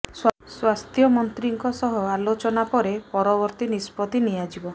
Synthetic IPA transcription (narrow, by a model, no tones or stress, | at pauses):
sw | swast̪ʰjɔmɔnt̪ɾiŋkɔsɔɦɔalot͡ʃɔnapɔɾepɔɾɔbɔɾt̪inispɔt̪inijad͡ʒibɔ